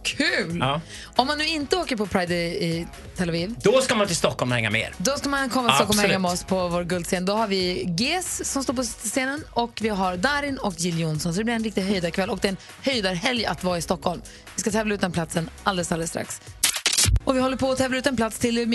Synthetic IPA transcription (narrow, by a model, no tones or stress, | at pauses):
kʰʉːlː | ɔmːanːʉ̟ːɪnt̪əoːkəɾpʰɔpʰɾajd̪ɛ | t̪ʰɛlaviːvd̪̥ɔskamant̪ʰɪlst̪ɔkːɔlmhɛ̰ŋːa̰mḛːɾd̪ɔskamankʰɔmːat̪ɔkːɔlmhɛŋːamɛɔspʰɔvoːɾɡɵld̪seːnd̪ɔhaɾvɪɡeːsːɔmst̪oːpʰɔsseːnənɔkvɪɦaɾd̪aːɾɪnɔkjɪljʊnsɔnsɔd̪ɛlɪɾɛnɾɪk̚t̪ɪɡɦœjd̪aɾkʰvɛlːɔk̚d̪ɛːn | hœjd̪aɾɦɛlja̰t̪vɑːɪst̪ɔkʰːɔlm | vɪskat̪ʰɛːvlaʉ̟t̪d̪ɛnplat̪sənald̪ɛlsaləlst̪ɾa̰ks | ɔvɪhɔlːəɾpʰɔːt̪ʰɛːvlaʉ̟t̪ɛnpʰlat̪st̪ʰɪl